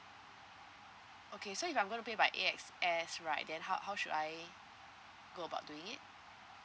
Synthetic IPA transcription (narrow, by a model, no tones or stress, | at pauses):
ʔokʰesoifãɪmɡõntupebajʔeɛks | ɛsɹaɪt̚dɛ̃nɦaʊhaʊʃudaj | ɡoəba̰ʊt̚duɪ̃ŋɪt̚